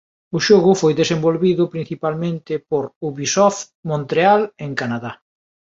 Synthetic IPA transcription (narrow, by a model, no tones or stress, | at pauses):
ʊʃoɣʊfojðesembolβiðʊpɾĩn̟θipalmẽnt̪ɪpoɾuβisɔf | mõnt̪ɾealeŋkanaða